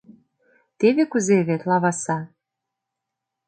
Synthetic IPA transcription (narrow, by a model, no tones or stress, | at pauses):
t̪eβekuzeβet̪lɑβɑsɑ